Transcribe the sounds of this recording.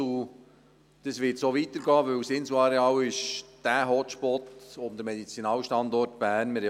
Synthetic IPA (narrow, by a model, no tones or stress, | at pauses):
u | d̥əsʋɪtsoːʋit̪əɾɡɑːʋɵwsɪnsuɑɾeɑːwɪʃd̥æɦɔʃpɔtʊnd̥̪əmɛd̥̪it͡sinɑːlʃtɑnd̪ɔrtb̥æːɾnmɪɾ